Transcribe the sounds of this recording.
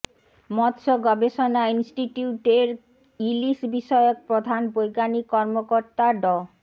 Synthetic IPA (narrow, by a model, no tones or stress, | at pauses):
mɔt̪ʃoɡɔbeʃonainsʈiʈiuʈeɾ | iliʃbiʃɔeok̚pɾod̪ʱanbojɡanikɔɾmokoɾt̪aɖɔ